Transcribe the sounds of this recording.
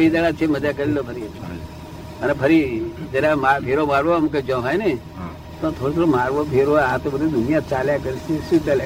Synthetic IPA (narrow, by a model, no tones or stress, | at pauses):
id͡ʒ̪aɽat͡ʃʰeməd͡ʒakəɾilopʰəɾiɦət̪u | ənepʰəɾid͡ʒəɾamapʰeɾomaɾʋomũk̬ed͡ʒɔ̃ɦajne | t̪ot̪ʰoːɾot̪ʰoɾomaːɾʋopʰeɾʋoat̪obəd̪id̪ʊnijat͡ʃaljakəɾiseʃũt̪ela